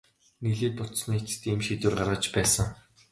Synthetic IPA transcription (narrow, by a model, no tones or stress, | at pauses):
niɮeːt̪ʊt̪̆sniːt͡st̪iːmʃit̪ŭrɢarʁə̆t͡ɕpæːsə̆ŋ